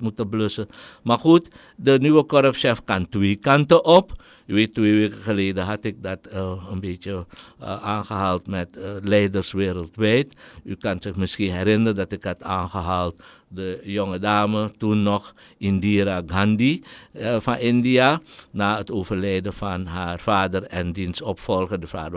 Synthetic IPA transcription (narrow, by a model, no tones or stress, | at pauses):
mutəbløsəmaxut | dənyʋəkɔɾəpʃɛfkɑntʋeːkantəʔɔp | yʋeːtːʋeːʋeːkəxəleːdəɦatɪk̚dɑtənbeːtjə | aːnxəɦaːlˠtmɛtlɛjdərsʋeːɾəlˠtʋɛjtykɑnzɪxmɪsxiɦɛɾɪnərədɑtɪkɦɑtaːnχəɦaːlˠt | dəjoŋədaːmətunːɔχ | ɪndiɾaɡandi | fɑnʔɪndiaːnaːətoːvərlɛjdəfɑnɦafaːdərɛndinsɔpfɔlˠχədəfa̰ːdə